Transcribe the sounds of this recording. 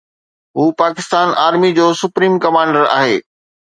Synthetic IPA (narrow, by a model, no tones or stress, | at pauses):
ɦuːpaːkɪst̪aːnʔaːɾmid͡ʑoːsʊpɾiːmkɐmãːɳɖəɾa̰ːɦeː